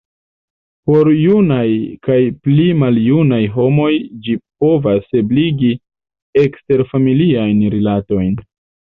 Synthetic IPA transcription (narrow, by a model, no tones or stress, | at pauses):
po̞ɾjunajkajplimaljunajɦo̞mo̞jd͡ʒip̚o̞vasebliɡi | ekste̞ɾfamiliajnɾilato̞jn